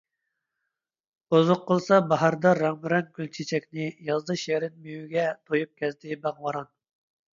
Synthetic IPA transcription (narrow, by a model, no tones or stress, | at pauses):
bozʊqːəlˠsɑbɑɦɑɾd̪ɑɾɑʁmɪɾɛnkʲylt͡ʃʰet͡ʃʰɛkʲnɪjɑzd̪ɨʃeɾɪnmyjyɡʲɛt̪ʰojup̚kʲʰɛzd̪ɪbɑʁwɑɾɑn